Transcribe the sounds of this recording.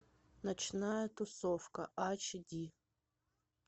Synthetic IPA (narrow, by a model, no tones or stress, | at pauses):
nɐt͡ʃnajɛt̪ʊsɔfkɐʔat͡ʃdʲi